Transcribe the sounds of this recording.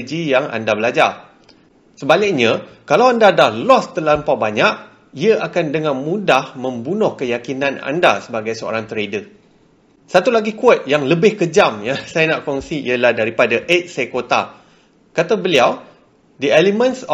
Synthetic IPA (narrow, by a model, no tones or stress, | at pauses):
d͡ʒijaŋa̰ndabəlad͡ʒar | səbalɪk̚ɲakalawandadahlɔst̪əlampawbaɲaʔ̚ | iəʔakandəŋamũdahmə̃mbunʊhkəjakinãna̰ndasəbaɡajsəo̰ɾaŋt̪əɾedə | sat̪ulaɡikuat̪̚jaŋləbɪhkəd͡ʒamjasajanaʔkɔŋsiḭəlahdaɾipadaʔet̪̚sakot̪a̰ | kat̪abəliaw | diɛlimə̃ns